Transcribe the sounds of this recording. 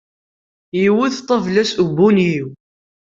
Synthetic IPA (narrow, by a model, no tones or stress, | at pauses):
jiwiθt̪ˤːəvlæsubːuniw